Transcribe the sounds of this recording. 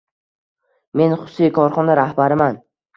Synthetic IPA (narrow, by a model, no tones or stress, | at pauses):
me̞nχʊ̥sikʰɒɾχɒnaɾahbaɾɪman